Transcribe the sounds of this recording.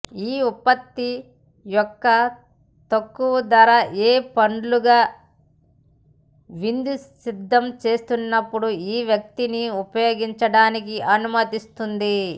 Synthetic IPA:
iːupːɐt̪ːi | jɔkːɐ | t̪ɐkːuʋɐd̪ɐɾaʔeːpɐɳɖluɡaː | ʋind̪usid̪ʱːɐmt͡ʃe̞ːst̪unːɐpːuɽuiːʋjɐk̚t̪iniupɐjoːɡiɲt͡ʃɐɽaːnikiʔɐnumɐt̪ist̪und̪i

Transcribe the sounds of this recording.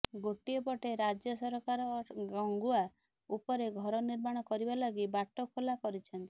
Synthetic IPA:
ɡoʈiepɔʈeɾad͡ʒjɔsɔɾɔkaɾɔɡɔŋɡua | upɔɾeɡʱɔɾɔniɾmaɽ̃ɔkɔɾibalɔɡibaʈːokʰolakɔɾit͡ʃʰɔnt̪i̥

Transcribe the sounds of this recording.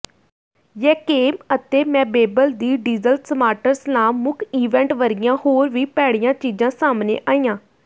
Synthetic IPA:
jɛːkeːmət̪eːmɛ̃ːbeːbəld̪iːɖiːzəlsəmaːʈəɾsnãːmʊkʰiːʋɛ̃ːɳʈʋəɾɪjãːhoːɾʋiːpɛːɽɪjãːt͡ʃiːd͡ʒãːsaːmnḛːʔaːĩːãː

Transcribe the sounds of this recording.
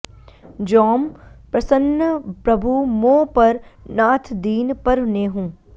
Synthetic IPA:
d͡ʒɔːmpɾɐsənːəpɾɐbʱumõːpɐɾnaːt̪ʰd̪iːnpɐɾneɦũː

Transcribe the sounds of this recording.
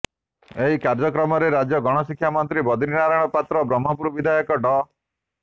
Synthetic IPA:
eɦikaɾd͡ʒɔkɾɔmɔɾeɾad͡ʒjɔɡɔɽ̃ɔsikʰjamɔnt̪ɾibɔd̪ʱiɾinaɾajɽ̃ɔpat̪ɾɔbɾɔmːɔpuɾɔbid̪ʱajɔkɔɖɔ

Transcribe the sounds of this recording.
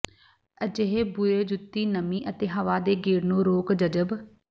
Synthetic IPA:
əd͡ʒeɦeːbueːd͡ʒʊt̪ːiːnəmĩːʔət̪eːɦəʋaːd̪eːɡeːɾnõːɾoːkd͡ʒəd͡ʒəb

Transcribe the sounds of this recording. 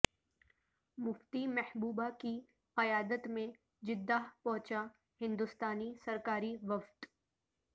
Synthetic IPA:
mʊft̪imɛhbuːbaki | qɐjaːd̪ət̪mẽ | d͡ʒɪd̪ːaːɦpɔ̃ɦt͡ʃa | hɪ̃nd̪ʊst̪aːnisɐɾkaːɾiʋɐft̪

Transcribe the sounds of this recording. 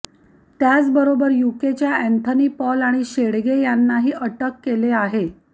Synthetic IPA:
t̪jat͡sbəɾobəɾjuket͡ɕjaænt̪ʰəniːpɔlaɽ̃iɕeɽɡejanːaɦiːʔəʈəkːeleaɦe

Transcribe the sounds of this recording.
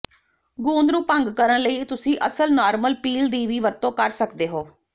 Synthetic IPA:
ɡũːnd̪ɾũːpəŋɡkəɾənləiːt̪ʊsĩːʔəsəlnɔːɾməlpiːld̪iːʋiːʋəɾt̪õːkəɾsəkd̪eːɦoː

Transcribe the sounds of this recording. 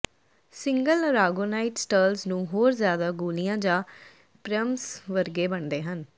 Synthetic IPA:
sɪŋɡəlɾaːɡoːnaːɪʈsʈəːlznũːɦoːɾzjaːd̪aːɡuːlijãːd͡ʒãː | pɾəmsʋəɾɡeːbəɳd̪eːɦən

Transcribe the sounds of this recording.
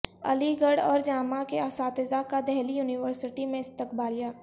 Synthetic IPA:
ɐ̰liɡəɽɔ̰ːɾd͡ʒaːmakeasaːt̪ɪzakad̪ɛɦlijuːnɪʋəɾsɪʈimẽɪst̪ɪkbaːlijaː

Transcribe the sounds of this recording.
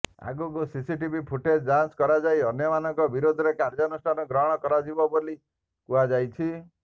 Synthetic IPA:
a̰ɡukusisiʈibipʰuʈed͡ʒdanskɔɾad͡ʒajɔnjɔmanɔŋkɔbiɾod̪ʱɔɾekaɾd͡ʒɔnusʈʰanɔɡɾɔɦɽ̃ɔkɔɾad͡ʒibɔboli | kuad͡ʒajt͡ʃʰi

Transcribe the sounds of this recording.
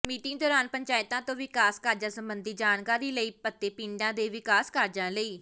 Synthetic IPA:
miːʈɪŋd̪ɔːɾaːnpəɲt͡ʃaːɪt̪ãːt̪õːʋɪkaːskəɾd͡ʒãːsəmbənd̪iːd͡ʒaːnkaːɾiːləiːpət̪ːeːpĩːɳɖãːd̪eːʋɪkaːskəɾd͡ʒãːləiː

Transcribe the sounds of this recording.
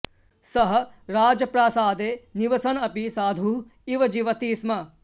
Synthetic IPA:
sɐɦɐ̆ɾaːd͡ʒɐpɾaːsaːd̪eːniʋɐsɐnɐpisaːd̪ʱu | iʋɐd͡ʒiʋɐt̪iːsmɐ

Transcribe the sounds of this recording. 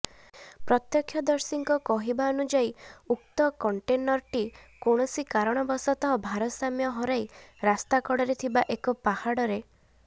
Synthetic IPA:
pɾɔt̪jɔkʰːjɔd̪ɔɾsiŋkɔkɔɦibaɔnud͡ʒaiuk̚t̪ɔkɔɳʈenɔɾʈikoɽ̃ɔsikaɾɔɽ̃ɔbɔsɔt̪ɔɦɔbʱaɾɔsamjɔɦɔɾajɾast̪akɔɽɔɾet̪ʰibaʔekɔpahaɽɔɾe

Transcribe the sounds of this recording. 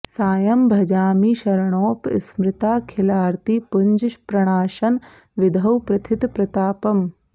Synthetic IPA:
saːjɐmbʱɐd͡ʒaːmiːʃɐɾɐɳoːpsmɾɪt̪aːkʰɪlaːɾt̪ipuɲd͡ʒʃpɾɐɳ̃aːʃɐn | ʋɪd̪ʱɐwpɾɐt̪ʰit̪pɾɐt̪aːpɐm

